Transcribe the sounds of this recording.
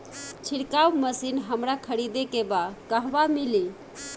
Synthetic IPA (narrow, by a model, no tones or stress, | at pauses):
t͡ʃʰiɽkawməsinɦəmɾakʰəɾid̪ekebakəɦbamili